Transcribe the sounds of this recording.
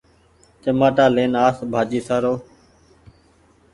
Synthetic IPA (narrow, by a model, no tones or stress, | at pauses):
t͡ʃəmaːʈaːleːnaːsbʱaːd͡ʒiːsaːɾoː